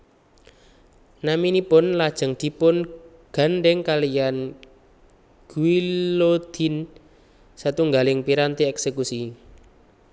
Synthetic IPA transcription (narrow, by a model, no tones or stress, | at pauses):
naminipʊnlad̥ʒ̥ə̤ŋd̪̥i̤pʊn | ɡ̥a̤nɖɛŋkalijan | ɡ̥uilod̪̥i̤n | sat̪uŋɡalɪŋpiɾant̪iɛksekusi